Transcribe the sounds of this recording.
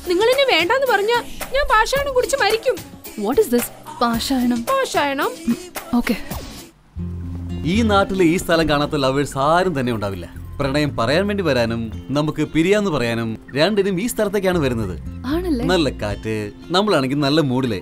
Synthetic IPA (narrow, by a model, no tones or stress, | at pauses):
niŋːɐɭinːeʋe̞ːɳɖaːenːɨpɐrɐɲːaːlɲaːnbʱaːʂaːjɐɳɐmkuɽit͡ɕːɨmɐɾikʲːumʋɔʈɪsd̪ɪs | b̥ʱaːʂaːjɐɳɐmbʱaːʂaːjɐɳɐmoːkːe | iːnaːʈːiliːst̪ʰɐlɐmkaːɳaːt̪ːoːlɐʋʋeɭsaːɾɐmt̪ɐnːe̞uɳɖaːʋilːɐprɐɳɐjɐmpɐrɐjaːnʋeːɳɖiʋɐɾaːnumnɐmukːɨpiɾijaːnːɨpɐrɐjaːnumɾeɳɖɐɾumiːst̪ʰɐlɐt̪ːe̞kːaːɳɨʋɐɾunːɐðɨ̰aːɳɐlːenɐlːɐkːa̰ːtːɨ | nɐmːɐɭaːɳeŋɡilnɐlːɐmuːɽilḛː